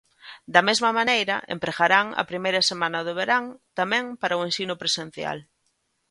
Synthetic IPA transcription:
d̪ɐmezmɐmanejɾɐ̰ʔḛmpɾeɣaɾaŋɐ̰pɾimejɾɐsemanɐðoβ̞eɾaŋt̪amɛ̃ŋpaɾɐʊensinʊpɾesen̟θja̰l

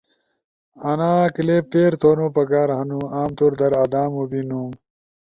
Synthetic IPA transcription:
ɐnaːkilepːeːɾt̪ʰoːnõːpɐkaːɾɦɐnuaːmt̪uɾd̪ɐɾɐd̪aːmubinũ

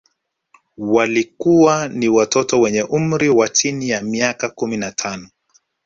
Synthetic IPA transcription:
walikuwaniwatʰɔtɔwɛɲɛʔum̩ɾiwat͡ʃinijamiakakuminatʰanɔ

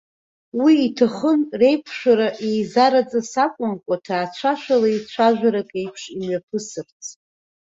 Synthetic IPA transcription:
wiːtʰaχənre̞jpʷʰʂᶣaɾaʔejzaɾat͡sʼasakʷʼʊnkʷʼatʰaːt͡ɕʷʰaʃʷᶣalajt͡ɕʷʰaʒᶣʷaɾakʼe̞jpʰʂimɥapʰɨsɨrt͡sʰʼ

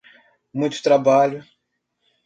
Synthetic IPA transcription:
mũj̃t̪ʊ̥t̪ɾabalʊ

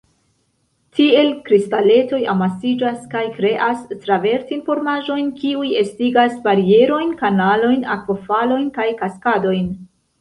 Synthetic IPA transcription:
tie̞lkɾistale̞to̞jamasid͡ʒaskajkɾe̞ʔastɾave̞ɾtinfo̞ɾmaʒo̞jnkiuje̞stiɡasbaɾie̞ɾo̞jnkanalo̞jnakvofalo̞jnkajkaskado̞jn

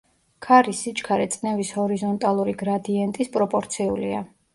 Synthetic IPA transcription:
kʰaɾisit͡ʃkʰaɾɛt̪sʼnɛvishɔɾizɔnt̪ʼalˠuɾiɡɾad̪iɛnt̪ʼispʼɾɔpʼɔɾt̪sʰiulia̰

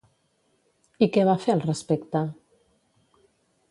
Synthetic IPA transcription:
ikɛβafeəlˠrəspekt̪ə

